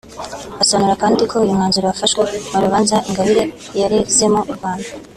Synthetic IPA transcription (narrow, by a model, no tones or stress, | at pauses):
asoβanuɾakaːndikʰo̞ujumŋaːnzuɾoafaʃwemuɾuβaːnzaiŋɡaβiɾe̞ | jaɾezemouɾɡwaːnda